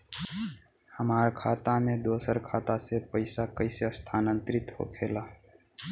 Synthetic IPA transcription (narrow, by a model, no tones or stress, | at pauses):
həmaɾkʰat̪amed̪osəɾkʰat̪asepəɪsakəɪseəst̪ʰanənt̪ɾit̪ɦo̰kʰela